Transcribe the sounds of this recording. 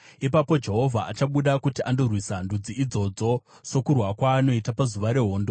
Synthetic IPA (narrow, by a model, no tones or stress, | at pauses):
ipapo̞d͡ʒe̞ɦo̞vʱaʔat͡ʃaɓuɗakutiʔando̞rwisandud͡ziːd͡zo̞d͡zo̞ | so̞kurwakwaːno̞itapazuʋaɾe̞ɦo̞ːndo